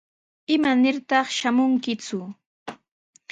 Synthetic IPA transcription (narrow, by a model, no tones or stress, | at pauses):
ɪmanɪɾt̪ɑχʃamʊŋkɪt͡sʊ